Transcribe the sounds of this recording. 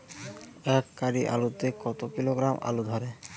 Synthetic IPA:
ɛkːaɾiʔa̰lut̪ekɔt̪okiloɡɾamʔa̰lud̪ʱɔɾe

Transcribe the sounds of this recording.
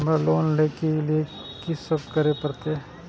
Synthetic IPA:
meloːnleːkelie | kɪsəb̚kəɾepɐɾt̪e

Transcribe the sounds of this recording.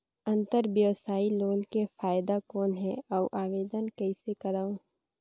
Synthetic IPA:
ɐ̃nt̪əɾbjəːsaːiloːnkefaːɪd̪akɔːnɦɛɔːʔaːʋeːd̪ənkɛɪsekɐɾaːõ

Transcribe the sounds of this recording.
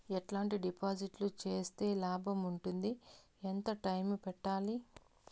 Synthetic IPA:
eʈlaːɳʈiɖipaːd͡ʒiʈlut͡ʃe̞ːst̪e̞ːlaːbʱɐmuɳʈund̪i | ent̪ɐʈɐjmpɛʈːaːli

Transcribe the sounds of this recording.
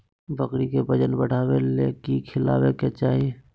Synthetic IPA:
bəkɾikebəd͡ʒənbəɽ̤aːwelekikʰɪla̰ːweket͡ʃaːɦi

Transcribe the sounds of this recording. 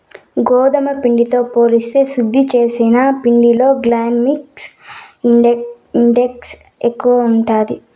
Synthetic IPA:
ɡɔːd̪ɐmɐpiɳɖit̪o̞ːpo̞ːlist̪e̞ːsɾud̪ʱːit͡ʃe̞ːsinapiɳɖilo̞ːɡlaːnmiksiɖ | iɳɖeks | ekːuʋɐuɳʈaːd̪i

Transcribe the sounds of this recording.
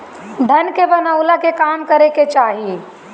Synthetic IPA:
ɖʱənkebənaʊlakekaːmkəɾeket͡ʃaːɦi

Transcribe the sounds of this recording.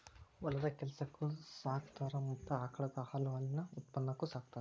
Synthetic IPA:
ɔlːɐd̪ɐkɛlɐsɐkːusaːkt̪aːɾɐmɐt̪ːuaːkʰɐɭɐd̪ɐhɐlɐʋaːlinɐut̪̚pɐnːɐkːusaːk̚t̪aːɾɐ

